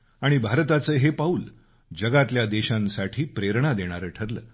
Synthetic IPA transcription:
aɽ̃ibʱaɾt̪at͡səːɦepauːl | d͡ʑəɡat̪ljad̪eɕãnsaʈʰiːpɾeɾɳad̪eɽ̃aɾəʈʰəɾlə̰ː

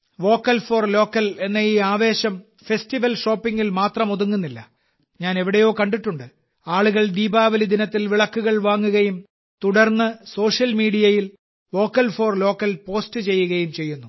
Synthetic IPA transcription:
ʋo̞ːkːɐlfo̞ːrlo̞ːkːɐle̞nːɐiːaːʋe̞ːɕɐm | fe̞stiʋɐlʂo̞ːpːiŋɡilmaːt̪rɐmoðuŋːunːilːɐ | ɲaːne̞ʋiɽejo̞ːkɐɳɖiʈːuɳɖɨ | aːɭuɣɐɭd̪iːbaːʋɐlid̪inɐt̪ːilʋiɭɐkːuɣɐɭʋaːŋːuɣɐjum | t̪uɽɐrnːɨso̞ːʂjɐlmiːɽijɐjil | ʋo̞ːkːɐlfo̞ːrlo̞ːkːɐlpo̞ːstɨt͡ɕe̞jːuɣɐjumt͡ɕe̞jːunːu

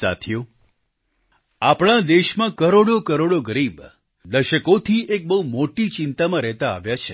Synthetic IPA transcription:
sa̰t̪ʰijo | apɽ̃ãd̪eʃmãkəɾoɽokəɾoɽoɡəɾib | d̪əʃəkot̪ʰiʔek̚bəɦumoʈit͡ʃɪnt̪amãɾɛɦt̪a̰ːʋjat͡ʃʰe

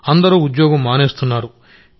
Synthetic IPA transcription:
ɐnd̪ɐɾuːud̪jɔːɡɐmːaːneːst̪unːaːɾu

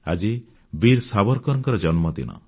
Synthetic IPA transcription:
a̰d͡ʒi | biɾsabɔɾkɔɾɔŋkɔɾɔd͡ʒɔnmɔd̪ḭnɔ̰

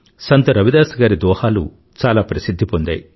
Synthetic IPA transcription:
sɐnt̪ɐɾɐʋid̪aːsɐɡaːɾid̪ɔːhaːlṵ | t͡ʃaːlaːpɾɐsid̪ʱːipond̪a̰ːji

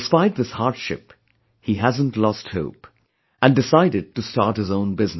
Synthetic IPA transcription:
dɨspaɪt̪̚ðɪshɑɹtʃɪ̰p | hiɦæzə̃ntlɔst̚hoʊp | ɨ̃ndɨsaɪɾɨd̚tɨstɑɹt̚hɨzõʊ̃nbɪzn

